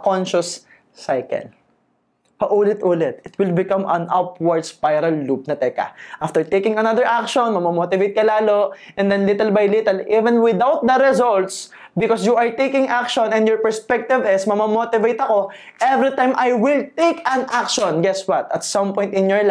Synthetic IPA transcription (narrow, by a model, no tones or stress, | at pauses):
kɔnʃɐsː | ajkɛ̰l | pɐʔuːlɪt̪ʔuːlɪt̪̚ɪt̪wɪlbɪkɐ̃mɐ̃nʔɐpwɐɹd̪spajɾɐlːup̚nɐt̪ɛkɐ̰ʔaft̪ɛɹt̪ejkɪ̃ŋɐnɐðəɹʔakʃɔnmɐmɐmoːt̪ɪvejt̪̚kɐlaːlo | ʔɛ̃nd̪ɛ̃nlɪt̪ɛlbɐjlɪt̪ɛlʔivɛ̃nwɪd̪awt̪̚d̪ɐɾɛzɔlt̪s | bɪkɔsjuɐɹt̪ejkɪ̃ŋʔak̚ʃɔ̃nɛ̃njɔɹpɛɹspɛk̚t̪ɪvɪsmɐmɐmot̪ɪvejt̪ɐko | ʔɛvɾit̪ãjmʔajwɪlt̪ejkɐ̃nʔak̚ʃɔ̃nɡɛswɐt̪ɐt̪sɐ̃mpɔ̃jnt̪ɪ̃njɔɹl